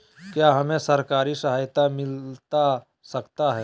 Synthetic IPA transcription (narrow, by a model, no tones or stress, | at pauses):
kjaːɦɐmẽsɐɾkaːɾisəɦaːjt̪amɪlt̪a | sɐkt̪aɦɛː